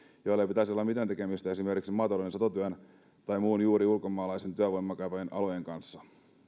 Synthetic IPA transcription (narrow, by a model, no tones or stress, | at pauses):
jojlːepit̪æsio̞lːɑmit̪ænt̪ekemist̪æe̞sime̞rkiksimɑːt̪ɑloinesot̪ot̪yæn | t̪ɑjmuːnjuːɾiulko̞mːˑɑːlɑjsent̪yæʋo̞jmːɑkɑjpɑjenʔɑ̰lo̞jeŋkɑnsːɑ